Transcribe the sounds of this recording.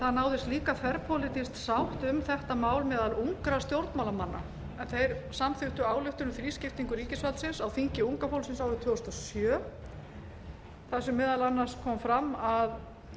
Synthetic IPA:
θaðnaːwðɪst̪liːkafɛɾpʰolɪt̪ist̪sawht̪ʏmθɛht̪amaːwlmɛːðaluŋkɾast̪jowɾt̪mawlamanːa̰ | ɛnθejɾsamθʏht̪ʏaːwlʏht̪ʏnʏfɾiːscɪft̪iŋkʏɾiːcɪsvalt̪sɪnsawfiɲ̥cɪuŋkafowlsɪnsawɾʏt̪ʰvʏːɣʏst̪ɔsjœː | θasɛmːɪːðalanːar̥skʰɔːmfɾamːað

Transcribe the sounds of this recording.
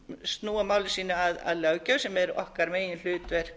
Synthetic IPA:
st̪nuːamaːwlɪsiːnaaða̰ðlœɣcœɥsɛmɛɾɔ̰hkaɾmeːjɪnl̥ʏːt̪vɛɾ̥

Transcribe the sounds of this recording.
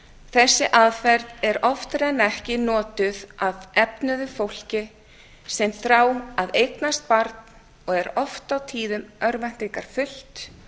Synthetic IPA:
θɛsːɪʔaðfɛɾt̪nɛɾɔft̪ʏɾɛnːɛhcɪnɔːt̪ʏðaðɛpnʏðʏfowl̥cɪ | sɛmθɾaːwaðejknast̪̚paɾt̪n | ɔɣɛɾɔft̪awt̪ʰiːðʏmœɾvɛn̥t̪iŋkaɾ̥fʏl̥t̪

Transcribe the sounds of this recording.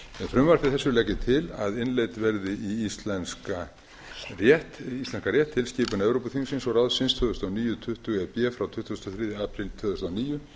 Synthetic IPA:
ɛnfɾʏmvaɾ̥θɪθɛsːʏlɛcːɪt̪ʰɪla̰ðɪnlejt̪vɛɾðɪiist̪lɛnska | rjɛht̪ist̪lɛnskaɾjɛht̪ʰːɪlscɪːpʏnaɛvɾowpʏθʰiŋsɪnsɔrawðsɪnst̪ʰœːðʏst̪aniːjʏt̪ʰʏht̪ʏɣɛpjɛːfɾawt̪ʰʏht̪ʏst̪ɔθɾiːðjaːpʰɾɪlt̪ʰœːðʏst̪awniːjʏ

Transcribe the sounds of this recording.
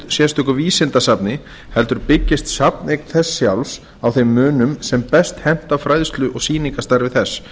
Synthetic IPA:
t̪sjɛst̪ʏhkʏɾviːsɪnt̪asapnɪ | hɛlt̪ʏɾpɪcːɪst̪sapneknθɛsːjawls | awθejmːʏːnʏmsɛmpɛst̪hɛn̥t̪afɾaːjðst̪lʏʔɔɣsiːniŋkast̪aɾvɪθɛsː

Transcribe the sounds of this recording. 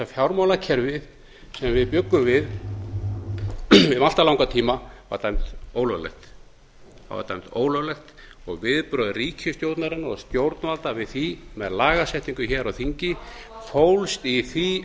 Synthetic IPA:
afjawɾmawlacʰɛɾvɪð | sɛmvɪðpjʏkːʏmvɪð | vɪðmal̥t̪alawŋkat̪ʰiːmava̰ɾt̪ajm̥t̪oːwlœɣlɛ̰xt̪ | a̰va̰ɾt̪a̰jm̥t̪o̰ːwlœɣlɛxt̪ | ɔɣvɪðpɾœːðriːcʰʏst̪jowɾt̪naɾɪnɔ̰ɣst̪jowɾt̪nvalt̪avɪðθimɛ̰ðlaːɣasɛht̪iŋkʏçɛɾɔɣθiɲcɪ | fowlst̪iθi

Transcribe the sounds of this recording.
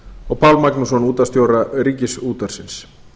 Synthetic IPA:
ɔɣpʰawlmaknusɔnuːt̪ast̪jowɾaɾiːcɪsuːt̪aɾ̥sɪns

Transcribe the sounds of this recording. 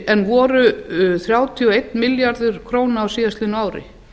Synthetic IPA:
ɛnvɔːɾʏθɾjaːwt̪ʰiɔejt̪mɪljaɾðʏɾ̥kʰɾoːwnaawsiːðast̪ɪnaːwɾɪ̰

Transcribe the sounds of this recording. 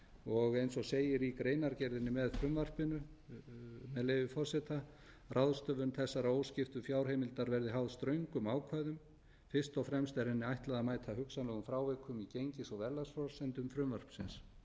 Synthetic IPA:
ɔɣejnsɔseːjɪɾikɾejnaɾcɛɾðɪnːɪmɛðfɾʏmvar̥pɪnʏ | mɛðleːjvɪfɔr̥sɛt̪a | rʔawðst̪œvʏnθɛsːaɾaoːwscɪft̪ʏfjaːwɾ̥ejmɪlt̪aɾvɛɾðɪɦawðst̪ɾœɥjŋkʏmaːwkʰvaðʏm | fɪr̥st̪ɔwfɾɛmst̪ɛɾɛnːɪajht̪laðamaːjt̪ʰaɦʏksanlɛːɣʏmfɾaːwvɛkʰʏmicejɲcɪsɔvɛɾlːasfɔɾsɛnt̪ʏmfɾʏmvar̥psɪns

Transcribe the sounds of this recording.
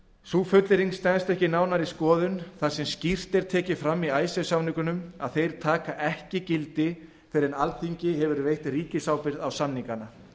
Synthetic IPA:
suːfœt̪lɪɾiŋst̪ɛnst̪ɛhcɪnaːwnaɾiskɔːðʏnθḁsɛmscir̥t̪ɛɾ̥t̪ʰɛːcɪfɾamːiaːjsɛsawniŋkʏnʏma̰ðθejɾ̥t̪ʰaːkaʔɛhcɪcɪlt̪ɪ | fɪɾɪnalt̪θiɲcɪɦɛvʏɾvejht̪riːcɪsaːwpɪɾðawsamniŋkana

